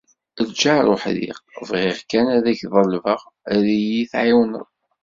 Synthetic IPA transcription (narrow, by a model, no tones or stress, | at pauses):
əlt͡ʃːaɾˤoħðḭʁvʁɪʁkænæðæçðˤəlvəʁ | æðijiθʕiwnə̰ðˤ